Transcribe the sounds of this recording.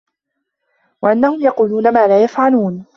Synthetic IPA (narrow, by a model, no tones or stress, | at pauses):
waʔanːahʊmjɑquːluːnamaːlaːjafʕaluːn